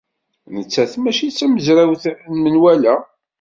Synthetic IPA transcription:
nət͡sːæθmæʃit͡sːæməzɾæwθnmənwælæ

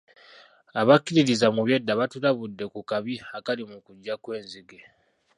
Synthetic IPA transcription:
aβakːiɾiɾizamuβje̞dːaβatulaβudːe̞kukaβiakalimukuɟːakwe̞ːnziɡe̞

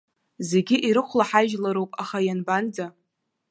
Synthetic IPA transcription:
ze̞ɡʲɪʔiɾɨχʷlaħaʒlaɾowpʼaχajanband͡za

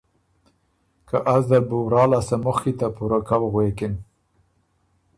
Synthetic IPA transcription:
kaʔazd̪əbuwɾɑlasamʊxkit̪apuɾakawɣwekɪn

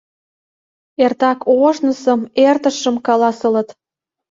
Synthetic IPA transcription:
ert̪ɑkʰoʃnə̆sə̆mert̪ə̆ʃə̆mkɑlɑsə̆lə̆t̪

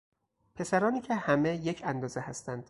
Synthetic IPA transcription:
pʰe̞sæɾɒːniːcʰe̞hæme̞je̞cʰænd̪ɒːzehæst̪ænd̪̥

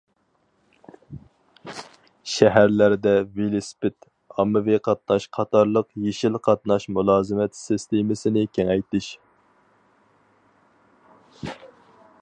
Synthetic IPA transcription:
ʃɛɦæɾlæɾd̪ɛvelɪspɪt̪ | ɑmːɪviqʰɑt̪̚nɑʃqʰɑt̪ʰɑɾlˠəqjeʃilqʰɑt̪̚nɑʃmulˠɑːzɪmɛt̪sɪst̪emɪsɪnɪkʲʰɛŋɛjt̪ɪʃ

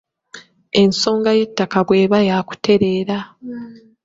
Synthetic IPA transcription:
e̞nso̞ːŋɡaje̞tːakaβwe̞ːβajaːku̥te̞ɾe̞ːɾa

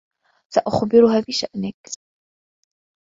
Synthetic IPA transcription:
saʔaxbɪɾʊɦaːbɪʃa̰ʔnɪk

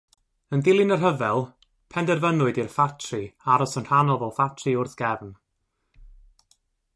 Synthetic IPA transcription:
əndɪlˠɪnərɦəvɛlˠ | pʰɛndɛrvənʊɨdirfatʰriaɾɔsənr̥anɔvɔlˠfatʰrɨʊrθɡ̥ɛvn

